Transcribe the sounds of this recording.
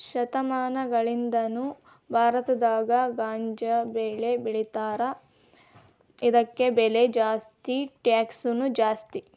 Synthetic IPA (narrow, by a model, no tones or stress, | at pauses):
ʃɐt̪ɐmaːnɐɡɐɭind̪ɐnu | bʱaːɾɐt̪ɐd̪aːɡɐɡaːɲd͡ʒɐbeɭebiɭit̪aːɾɐ | id̪ɐkːe̞beled͡ʒaːst̪iʈjaːksunud͡ʒaːst̪i